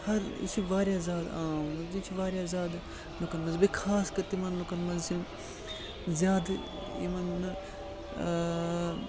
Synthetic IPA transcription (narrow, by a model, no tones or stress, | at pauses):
hɐɾ̰t͡ʃʰiʋaːɾjaːzaːd̪aːmɐnd͡ʒit͡ʃʰʋaːɾjaːzaːd̪ | lukɐnmɐnzbikʰaːskɐɾt̪imɐnlokɐnmɐnzsi | zjaːd̪ | ḭmɐnː